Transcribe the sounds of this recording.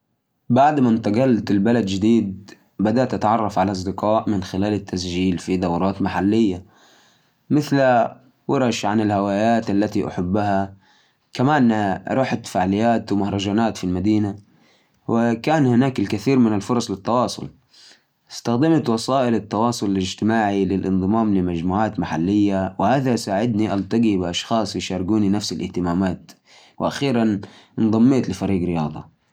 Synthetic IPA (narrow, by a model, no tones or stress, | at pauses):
baʕd̪mant̪aɡɑlːt̪ɪlbalad̪d͡ʒɪd̪iːd̪̚ | bad̪aʔt̪ʔat̪ʕɑrˤːɑfʕalaʔɑs̬ˤd̪ɪqɑːʔmɪnxɪlaːlɪt̪ːasd͡ʒiːlfid̪awɾˤɑːt̪maħalːɪjːa | mɪθl | wɪɾˤɑʃʕanɪlhawaːjaːt̪ʔalːat̪iʔa̰ħʊbːaha | kamaːnɾˤɑːħat̪faʕlɪjːaːt̪wmahɾˤɑd͡ʒaːnaːt̪filmad̪iːna | wɪkaːnhɪnaːkɪlkaθiːɾmɪnalfʊɾˤɑsˤlɪt̪ːɑwɑːsˤʊ̰l | ʔɪst̪axd̪ɪmat̪wɑsaɑːʔɪlɪt̪ːɑwɑːsˤʊlɪlɪd͡ʒt̪ɪmaːʕilɪlʔɪnd̪ˤɨmɑːmlɪmad͡ʒmuːʕaːt̪maħalːɪjːawɪhaːðasaːʕɪd̪niʔalt̪aɡibɪʔɑʃxɑːsˤjɪʃɑːɾˤɪɡuːninafsɪlʔɪ̰ht̪ɪmaːmaːt̪ | wɪʔaxiːɾannd̪ˤɑmːeːt̪lɪfaɾiːɡɾɪjɑːd̪ˤɑ̰